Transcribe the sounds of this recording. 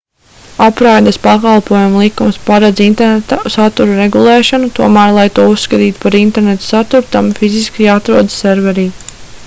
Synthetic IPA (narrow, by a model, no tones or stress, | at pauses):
apɾajd̪aspakalˠpuɔjumlˠikumspaɾad̪zint̪ɛɾnet̪asat̪uɾuɾeɡulˠɛːʃanut̪uɔmæːɾlˠajt̪uɔusːkat̪iːt̪u̥paɾint̪ɛɾnet̪u̥sat̪uɾt̪amfiziskiat̪ɾuɔd̪ssɛɾvɛɾiː